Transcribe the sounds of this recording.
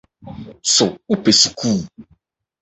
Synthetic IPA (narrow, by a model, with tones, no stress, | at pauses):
sʊ˨u˦pe˨su̥˨kuː˦˨